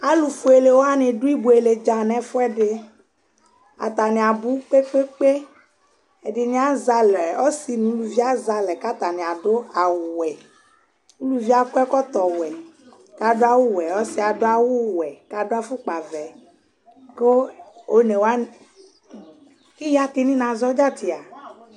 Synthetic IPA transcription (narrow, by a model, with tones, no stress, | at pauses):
a˦lu˨fu˦e˨le˨wo˦a˦nẽ˨ɖu˦i˦bu˨e˨le˨d͡ʒa˨nɛ̃˦fu˦ɛ˦ɖe˦ | a̰˨t̪a˨nĩ˨a˨bu˦k͡pe˦k͡pe˦k͡pe˦ | e˨ɖɪ˨nĩ˦a˦za˦lɛ˨ɔ˦si˨nũ˨˦lu˨vi˦a˦za˨lɛ˨ka˦t̪a˨nĩ˨a˨ɖo˦a˨wu˨wɛ˨ | u˦lu˦vi˦a˦kɛ˦kɔ˦t̪ɔ˨wɛ˨ | ka˨do˦a˦wu˦wɛ˨ɔ˦si˦a˨do˦a˦wu˦wɛ˨ka˨do˦a˦fu˦k͡pa˨vɛ˨ | ko˦o˦ne˨wo˦a˦ | ki˦ja˦ki˦nĩ˦nã˨zɔ˦d͡ʒa˦t̪i˨a˨